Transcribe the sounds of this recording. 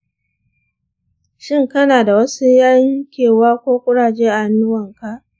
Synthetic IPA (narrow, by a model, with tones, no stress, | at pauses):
ʃɪ˦ŋkɐ˦naː˨da˨wɐ˦su˦jɐ˦ŋkʲeː˨waː˦kʷoː˦kʷʼʊ˦ɽaː˨d͡ʒeː˦ʔa˨a˨nːʊ˦wɐ˨ŋka˨ʔ